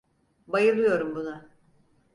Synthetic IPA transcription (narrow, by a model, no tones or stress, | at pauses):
bajɯlˠɯjo̞ɾumbunʊ